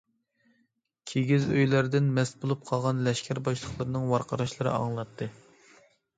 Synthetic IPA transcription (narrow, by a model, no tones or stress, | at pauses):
kʲʰeɡʲizøjlæɾd̪ɪnmɛst̪bolˠup̚qʰɑlˠʁɑnlɛʃkʲʰæɾbɑʃlˠəχlˠəɾnɨŋwɑɾqɑɾɑʃlˠɨɾɨ̰ɑ̰ŋlˠɑt̪ʰːɨ